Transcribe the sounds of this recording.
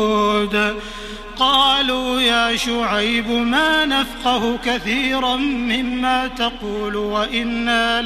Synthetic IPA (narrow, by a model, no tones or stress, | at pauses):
d̪ | qɑːluːjaːʃʊʕajbmaːnafqɑhʊkaθiːɾanmɪmːaːt̪ɑquːlwaʔɪnːal